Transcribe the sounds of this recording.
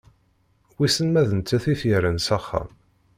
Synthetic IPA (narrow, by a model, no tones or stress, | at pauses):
wisənmæðənt͡s̪ːæθifjəɾənsæχːæ̰m